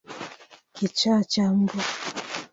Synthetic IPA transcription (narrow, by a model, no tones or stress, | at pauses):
kit͡ʃat͡ʃambɔ